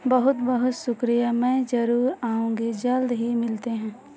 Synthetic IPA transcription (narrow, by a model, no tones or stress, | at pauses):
bəɦʊt̪bəɦʊt̪sʊkɾijamɛ̃ːd͡ʒɐɾuːɾaːũŋɡed͡ʒɐld̪ɦimɪlt̪eɦɛ̃ː